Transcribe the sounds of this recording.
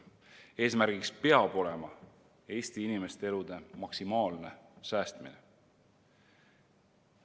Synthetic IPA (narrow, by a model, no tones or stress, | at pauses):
e̞ːsmæɾɡ̥ikspe̞ɑb̥o̞lemɑ̰ | e̞ːst̪iinime̞st̪ee̞lud̪̥e̞mɑksimɑːlne̞sæːst̪mḭne